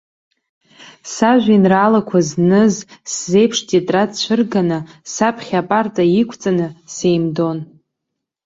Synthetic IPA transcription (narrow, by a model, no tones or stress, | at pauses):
saʒᶣʷinraːlakʷʰaznɨzsze̞jpʰʂtʰʼetʼratt͡ɕʷʰɨrɡanɨsapʰχʲapʼartʼaikʷʰt͡sʼanɨsejmdo̞n